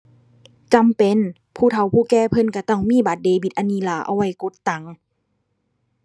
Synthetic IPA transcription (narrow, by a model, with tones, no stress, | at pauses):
t͡ɕa˨mpe˧˨n | pʰuː˧˩t̪ʰa˨˦wpʰuː˧˩kɛː˧˨pʰɤ˧˨nka˧˩t̪ɔ˧˩ŋmiː˧˥˨baː˨˦t̪̚deː˧˦bi˧˩t̪̚ʔa˧niː˧˥˨laː˨˦ʔa̰˧˨wa˧˩jko˧˦t̪ːa˨˦ŋ